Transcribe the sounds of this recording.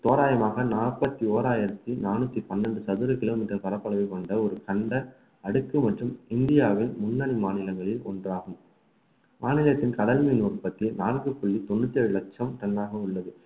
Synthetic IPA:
t̪oːɾaːjɐmaːɣɐnaːrpɐt̪ːioːɾaːjɪɾɐt̪ːinaːnɯt̪ːipɐnːɐɳɖɯsɐðɯɾɐkɪloːmiːʈːɐɾpɐɾɐpːɐɭɐʋɐkɔɳɖɐɔɾɯkɐɳɖɐ | ɐɽɯkːɯmɐʈrɯmɪnd̪ɪjaːʋɪlmʊnːɐɳimaːnɪlɐŋɡɐɭɪlɔ̰ndraːɣɯm | maːnɪlɐt̪ːɪnkɐðɐlminuːrpɐt̪ːinaːnɡɯpɔɭːit̪ɔnːɯt̪ːiɐɻɯlɐk̚t͡ʃɐmt̪ɐɳdaːɣɐʊɭːɐðɯ

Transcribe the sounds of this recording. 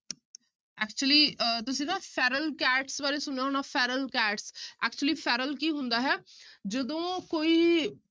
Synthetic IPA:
ɛːkt͡ʃuəliːt̪ʊsĩːd̪ãːpʰɛːɾəlkɛːʈsbaːɾeːsʊneaɦoːnaːpʰɛːɾəlkɛːʈsɛːk̚t͡ʃuəliːpʰɛːɾəlk̬iːɦʊ̃nd̪aːɦɛːd͡ʒəd̪õːkoːiː

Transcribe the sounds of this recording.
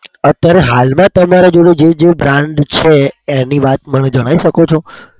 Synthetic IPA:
ət̪jaɾeɦalmãt̪əmaɾed͡ʒoɽed͡ʒed͡ʒebɾãɳɖt͡ʃʰeːniʋat̪məned͡ʒəɽ̃aiʃəkot͡ʃʰo

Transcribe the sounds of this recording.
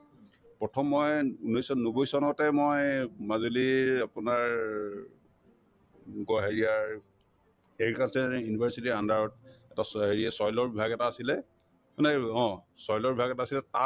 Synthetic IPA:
pɹɔtʰɔmːojunojsɔnobojsɔnɔtɛmojmazoliapunaɹ | ɡɔɦeɹijaɹ | eɹikasɛjunibʱaɹsitiandaɹɔt̚ɛtasɦeɹiasɔjlɔɹbibʱaɡɛtaːsilɛ | naɔ̃sɔjlɔɹbibʱaɡɛtaːsilɛta

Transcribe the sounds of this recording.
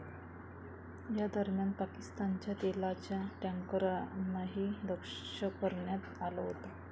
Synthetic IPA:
jad̪əɾmjanpakist̪ant͡ɕjat̪elat͡ɕjaʈjaŋkəɾanːaɦiːd̪əkʂəpəɾɳjat̪alaɦot̪a

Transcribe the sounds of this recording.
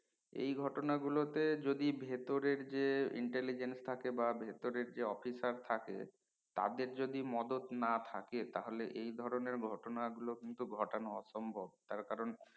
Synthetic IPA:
ḛjɡʱɔʈonaɡulot̪ed͡ʑod̪ibʱet̪oɾeɾd͡ʑeḭɳʈelid͡ʑenst̪ʰakebabʱet̪oɾeɾd͡ʑeɔfisaɾt̪ʰakḛ | t̪a̰d̪eɾd͡ʑod̪imɔd̪ot̪nat̪ʰaket̪aɦoleʔejd̪ʱɔɾoneɾɡʱɔʈonaɡulokint̪uɡʱɔʈanoɔʃɔmbʱob̚t̪aɾkaɾon

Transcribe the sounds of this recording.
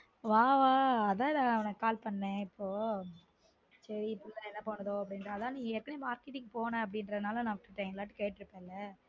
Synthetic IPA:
ʋaːʋaːɐðãːɪðaɐʋɐnɐkaːlpɐɳːẽːɪpʰːoː | sɛɾipɪllɐɛnːɐpoːnɐðoːɐpːɐɽɪnɾɐːðãːnĩːŋɡɛɾkːɐneːmaːɾkɪʈːɪŋɡpoːnẽːɐp̬ːɐɽɪnɾɐnaːlɐ̃nãːʋɪʈːɯʈːɐːŋɡɐlaːʈːɯkɐːʈːɪɾɯpːẽːɪlːɐ

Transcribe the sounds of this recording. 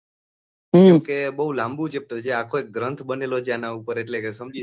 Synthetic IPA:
ɦkebəɦulãmbũd͡ʒep̚ʈəd͡ʒeakʰoek̚ɡɾənt̪ʰbənelot͡ʃʰeanaupəɾeʈlekesəmd͡ʒi

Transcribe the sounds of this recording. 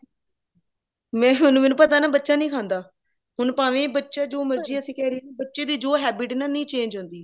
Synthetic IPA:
mɛ̃ːɦʊnũːmɛːnũːpət̪aːnaːbətːʃaːnĩːkʰãːnd̪aː | hʊnpaːʋẽːbətːʃaːd͡ʒoːməɾd͡ʒiːəsĩːkɛːɾieːbətːʃeːd̪iːd͡ʒoːɦɛːbɪʈnãːnĩːt͡ʃẽːɲd͡ʒɦõːnd̪iː

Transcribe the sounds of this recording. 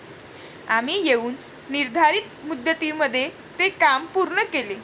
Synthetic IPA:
amiːjeuːnː | iɾd̪ʱaɾiːt̪̚mud̪ːət̪iməd̪ʱːje | t̪ekampuɾɳəkele

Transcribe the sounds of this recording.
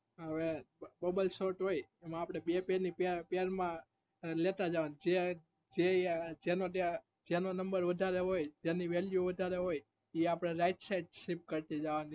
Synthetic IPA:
ɦəʋebəbəlsoɾʈɦojemãːpɽ̃ebepeɾnippeəɾmã | let̪ad͡ʒaʋanid͡ʒe | d͡ʒed͡ʒenot̪a | d͡ʒenonəmbəɾʋəd̪ʱaɾeɦojd͡ʒeniʋeljuʋəd̪ʱaɾeɦoj | iapɽ̃eɾajʈsajʈʃip̚kəɾt̪id͡ʒaʋani

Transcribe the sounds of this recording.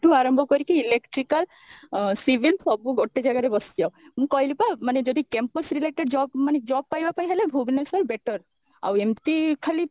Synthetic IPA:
ʈuaɾɔmbʱɔkɔɾikiːlekʈɾikal | sibilpʰɔbuɡʱoʈːed͡ʒaɡaɾebɔsjɔmũkɔɦilipamaned͡ʒɔd̪ikempɔsɾileʈeɖd͡ʒɔbmaned͡ʒɔb̚pajbapaĩɦelebʱubnesɔɾbeʈɔɾ | a̰wemt̪ikʰali

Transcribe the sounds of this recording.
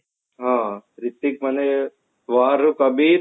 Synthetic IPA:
ɦãːɾit̪ːik̚mɐne | ʋaːɾukɐbiːɾ

